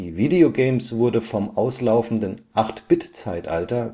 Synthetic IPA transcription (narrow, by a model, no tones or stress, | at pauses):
iːviːdeoɡɛɪmsv̥ʊɐdəfɔmʔaʊslaʊfn̩dənʔaχtb̥ɪtt͡saɪtʔa̰ltɐ